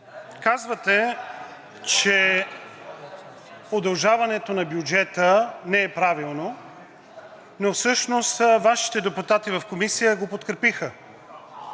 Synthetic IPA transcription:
kazvət̪ɛ | t͡ʃɛ | od̪ɐlˠʒavɐnɛt̪onɐbjud͡ʒɛt̪ənɛɛpɾavilˠno | nofsɤʃnost̪vaʃi̥t̪ɛd̪ɛput̪at̪ivɐfkomisijəɡopot̪kɾɛpixə

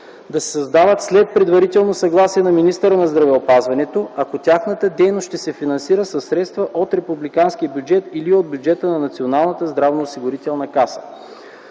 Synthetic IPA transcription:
d̪ɐsɛ̥sɐzd̪avət̪slɛt̪̚pɾɛd̪vɐɾit̪ɛlˠnosɐɡlˠasiɛnɐminist̪əɾənɐzd̪ɾɐvɛopazvɐnɛt̪oɐkot̪ʲaxnət̪əd̪ɛjnosʃt̪ɛsɛfinɐnsiɾəsɐsːɾɛt̪st̪vəʔot̪ɾɛpublikansk̟ijəbjud͡ʒɛt̪iliod̪̚bʲjud͡ʒɛt̪ənɐnɐt̪sionalˠnət̪əzd̪ɾavnoːsiɡʊɾit̪ɛlˠnɐkasə̥

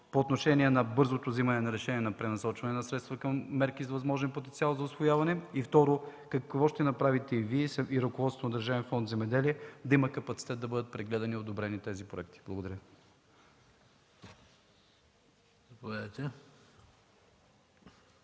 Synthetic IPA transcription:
poːt̪noʃɛnʲiɛnɐbɤɾzot̪ovzimɐnɛnɐɾɛʃɛnʲiɛnɐpɾɛnɐsɔt͡ʃvɐnɛnɐsɾɛt̪st̪vɐkɐmːɛɾkizvɐzmɔʒɛnpot̪ɛnt̪sialˠzɐʊsvojavɐnɛift̪ɔɾokɐkvɔʃt̪ɛnɐpɾavit̪ɛiviɛsiɾɐkovɔt̪st̪vond̪əɾʒavɛnfɔnd̪zɛmɛd̪ɛliɛd̪ɐimɐkɐpɐt̪si̥t̪ɛt̪d̪ɐbɤd̪ət̪̚pɾɛɡlɛd̪ɐniod̪obɾɛnit̪ɛzipɾoɛk̚t̪i̥blˠɐɡod̪ɐɾʲ | ɐpovɛd̪t̪ɛ

